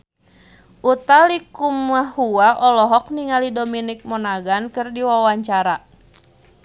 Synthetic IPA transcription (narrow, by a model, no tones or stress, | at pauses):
ʔut̪alikumahuaʔɔlɔɦɔk̚niŋalidominik̚mɔnaɡankɨrdiwawaɲt͡ʃaɾa